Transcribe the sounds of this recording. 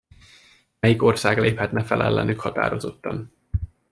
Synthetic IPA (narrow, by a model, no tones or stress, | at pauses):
mɛjiko̞rsaːɡleːphɛt̪nɛfɛlʔɛlːɛ̰nykhɒt̪a̰ːɾo̞zo̞t̪ːɒn